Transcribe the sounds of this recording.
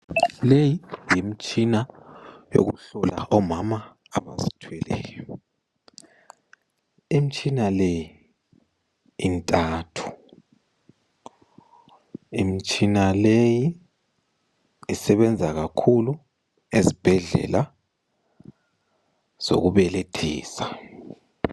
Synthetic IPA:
lejijim̩t͡ʃʼinajo̰ɣuɬɔla̰ʔɔmamaː | βa̰zi̥tʰwɛlɛ̰ːjɔ | im̩t͡ʃʼinalɛji | ntʼaːtʰu̥ | im̩t͡ʃʼinaleji | sɛβɛnd͡zʱaɣakʰulu | ezib̥ʱɛɮɛ̰la | z̥o̰ɣuβɛletʰḭːsa

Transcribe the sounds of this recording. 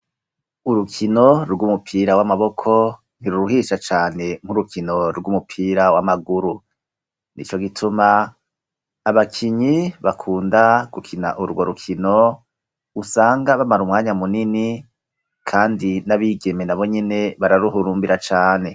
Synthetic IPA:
uɾukʰino̞ɾɡumupʰiːɾawamaβo̞kʰo̞ | niɾuɾuɦiːʃat͡ʃaːne̞m̥huɾukʰino̞ɾɡumupʰiːɾawamaɡuɾu | nit͡ʃo̞ɡitʰuma | βakʰiɲiβakʰuːndaɡ̥ukʰina̰ʔuɾɡwoɾukʰino̞ | usaːŋɡaβamaɾumŋaːɲamunini | kʰaːndinaβiːɡe̞menaβo̞ɲene̞βaɾaɾuɦuɾuːmbiɾat͡ʃaːne̞

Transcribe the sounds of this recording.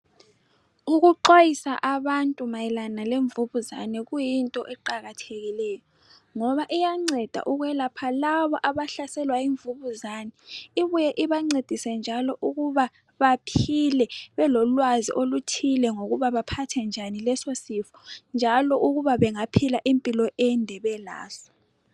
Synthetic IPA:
uɣuǃojisaʔaβantʼumajɛlanaleɱvuβuza̰nɛɣujintʼɔʔɛǃaɣatʰeɣilɛjɔ | ŋɔβaʔijaŋ͡ǀɛd̥ʱa̰ʔuɣujɛlapʰalaβɔʔaβaɬasɛlwaiɱvuβuzaːnɛiβujɛʔiβaŋ͡ǀed̥ʱisɛnd͡ʒʱalɔʔuɣuβa | βapʰilɛβɛlɔlwazḭʔolutʰilɛŋoɣuβaβapʰatʰɛnd͡ʒʱanilɛsosifɔ̥nd͡ʒʱalɔʔuɣuβaβɛŋapʰilaʔimpʼilɔʔɛndʱɛβɛla̰ːsɔ̥

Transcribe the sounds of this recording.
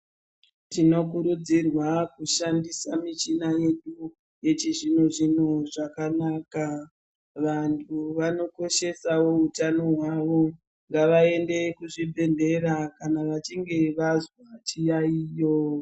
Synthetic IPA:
tino̞kuɾud͡zirwakuʃandisamit͡ʃinaje̞ɗu | je̞t͡ʃiʐinoʐin̤uʐakanaːka | ʋantʰuʋano̞ko̞ʃe̞sawo̞utano̞ɦwaʋo̞ | ŋɡaʋae̞nde̞kuʐibʱe̞nde̞ɾakanaʋat͡ʃiŋɡe̞ʋazwat͡ʃijaiːjo

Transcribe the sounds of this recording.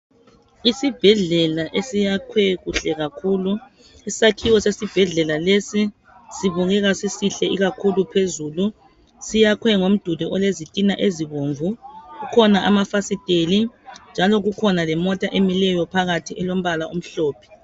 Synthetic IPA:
isib̥ʱɛɮɛlaʔesijakʰwɛɣuɬɛɣakʰuːlu | issakʰiwɔsesib̥ʱɛɮɛlalesi | siβuɣɛɣasisiɬɛiɣakʰulupʰezulu | sijakʰwɛŋom̩d̥ʱudʱuʔɔlezitʼinaʔeziβoːɱvuɣukʰɔnaʔamafasitʼelind͡ʒʱalɔɣukʰɔnalɛmɔtʼaʔemilɛjɔpʰaɣatʰiʔɛlom̩βalaʔum̩ɬɔːpʰɛ̥

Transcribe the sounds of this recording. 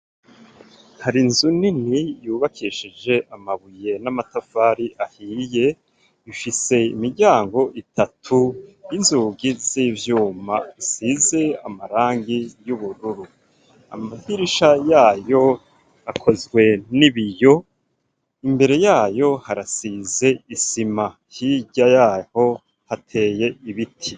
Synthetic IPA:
haɾinzuninijuːβakʰiʃid͡ʒe̞ʔamaβuje̞namatafaːɾiʔahiːje̞ | ifise̞ḭmiɟaːŋɡo̞ʔitʰatʰujinzuːɡiziːvjuːma̰isize̞amaɾaːŋɡijuβuɾuɾu | a̰mahiɾiʃajaːjo̞ | akʰo̞zɡwe̞niβijo̞ | imbe̞ɾe̞jaːjo̞haɾasize̞isima | hiɟajaːho̞ | hatʰe̞ːje̞iβitʰi

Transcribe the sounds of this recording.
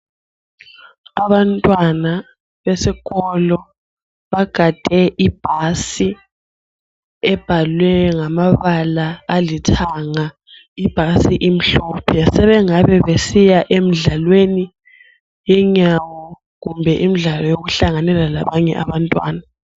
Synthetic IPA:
aβantʼwana | βesiɣɔlɔ | βaɡ̥ʱad̥ʱɛʔib̥ʱasi | ɛb̥ʱalwɛŋamaβalaːlitʰaŋa | ib̥ʱasiʔim̩ɬɔpʰjasɛβɛŋaβɛβesijaʔemiɮalweni | jɛɲawɔ | ɣumbʱɛʔimiɮalɔjoɣuɬaŋanɛlala̰βaɲɛ̰ʔa̰βantʼwa̰ːna

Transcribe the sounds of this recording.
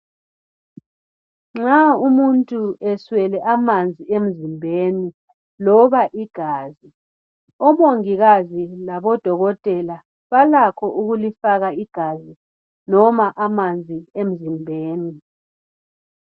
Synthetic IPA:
ŋ͡ǁaumuntʼuɛswɛlɛʔamand͡zʱiem̩zimbʱeːni | lɔβaʔiɡ̥ʱaːzi | ɔmoŋiɣazilaβɔd̥ʱɔɣɔtʼɛla | βalakʰɔʔuɣulifaɣaiɡ̥ʱazi | nɔmaʔamand͡zʱiem̩zimbʱeːni

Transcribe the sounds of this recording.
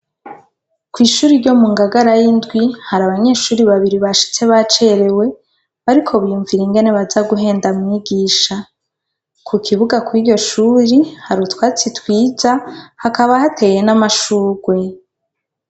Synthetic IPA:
kwiːʃuːɾiɾɟo̞muŋɡaɡaɾajindɡwihaɾaβaɲe̞ːʃuːɾiβaβiɾiβaʃi̥t͡se̞βat͡ʃe̞ɾe̞we̞ | βaɾikʰo̞βjuɱviɾeŋɡe̞ne̞βazaɡuɦe̞ːndamŋiɡiːʃa | kʰukʰiβuɡakwiɟo̞ʃuːɾihaɾutwaːt͡sitwiːzahakaβahate̞je̞namaʃuːɡwe̞

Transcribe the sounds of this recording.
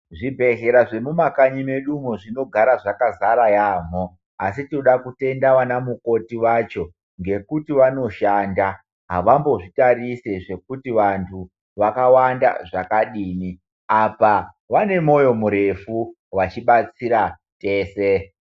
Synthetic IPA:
ʐibʱe̞ɣe̞ɾaʐemumakaɲime̞ɗumoʐino̞ɡʱaɾaʐakazaɾajaːm̤o | asitinoɗakute̞ndaʋanamuko̞tiwat͡ʃo̞ | ŋɡe̞kutiʋano̞ʃaːnda | ɦaʋambo̞ʐitariseʐe̞kutiʋantʰu | ʋakawanda̰ʐakaɗiːmi | apa | ʋane̞mo̞jo̞muɾe̞fu | wat͡ʃiɓat͡siɾa | te̞ːse

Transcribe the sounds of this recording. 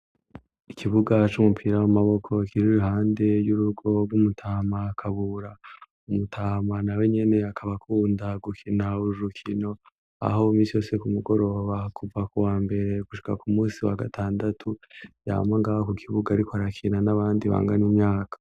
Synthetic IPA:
ikʰiβuɡat͡ʃumupʰiɾawamaβo̞kʰo̞kiɾiɾuɦaːnde̞juɾuɡo̞b̚ɡumutʰaːmakʰaβuɾa | umutʰaːmanawe̞ɲe̞ne̞akʰaβakʰuːndaɡukʰinauɾukʰino̞ | a̰ɦo̞miːsijo̞ːse̞kumuɡo̞ɾo̞βakuvakuwaːmbe̞ɾe̞ɡuʃi̥kakumuːsiwaɡatʰaːndatʰuja̰ːmaŋɡaːβakukʰiβuɡaːɾikoaɾakʰinanaβaːndiβa̰ːŋɡanimɲaːkḁ

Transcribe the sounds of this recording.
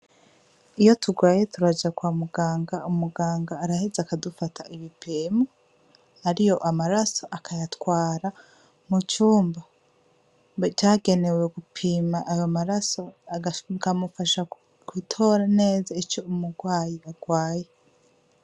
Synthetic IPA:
ijo̞tʰuɡwaːje̞tuɾad͡ʒakwamuɡaːŋɡaumuɡaːŋɡaːɾahezakadufatʰaiβipʰeːmo | aɾijo̞ʔamaɾaso̞ʔakʰajatkwaːɾa | mut͡ʃuːmba | t͡ʃaːɡe̞ne̞weɡupʰiːmaʔːjomaɾaso̞akamufaʃa | kwitʰo̞ɾane̞ːzait͡ʃo̞umuɡwaːjiaɡ̥waːje̞

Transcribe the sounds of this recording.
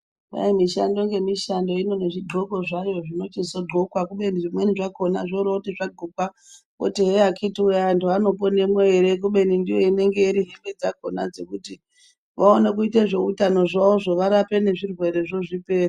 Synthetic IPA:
ʋa̰imiʃa̰ndo̞ŋɡe̞miʃando̞ino̞neʐiɡʱokoʐajo̞ʐino̞t͡ʃisoɡʱokwakuɓe̞niʐimwe̞niʐako̞naʐoɾautiʐaɡʱukwa | o̰tiɦeakʰitujantʰuano̞po̞ne̞mweeɾek̬uɓe̞nindijo̞ine̞ŋɡe̞iɾiɦeŋɡed͡zakona̰d͡ze̞̰kuti | ʋaonek̬uiteʐe̞utano̞ʐaoʐo̞ʋaɾapene̞ʐirwe̞ɾe̞ʐo̞ʐipe̞ːri

